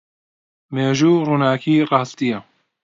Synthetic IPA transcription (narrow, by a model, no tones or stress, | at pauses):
meːʒuːruːnaːkʰiːrɑːst̪ijɐ